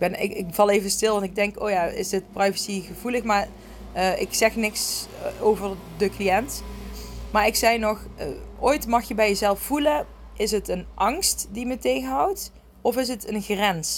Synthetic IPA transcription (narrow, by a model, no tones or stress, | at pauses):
ɡ̚bɛnɪ̰kɪkfɑlˠejvənstɪlˠʋɑntɪɡ̚dɛŋko̰ːwjaːɪ̰sdɪtprajvəsiɣəvuləxmaːɹ | əɪksɛxnɪksowvər | dəklijɛnt | maːɹɪksɛjnɔxəʔoːjtmɑxjəbɛjəzɛlˠffulən | ʔɪsɦətənʔɑŋstdimətejɣənɦɑwt | ɔfɪs̬ɦətənxrɛns